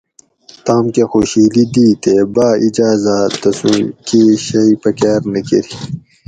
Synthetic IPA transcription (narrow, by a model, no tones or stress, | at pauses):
t̪aːmkexoɕiːlid̪iːt̪ebaːid͡ʑaːzad̪ɐsũkiɕɐipɐkaːɾnɐkeɾi